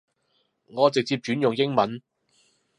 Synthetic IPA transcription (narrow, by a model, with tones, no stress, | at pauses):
ŋɔː˨˧t͡sɪ˨k̚t͡siː˧p̚t͡ʃyː˨˥njʊ˨ŋjɪ˥ŋmɐ˨˥n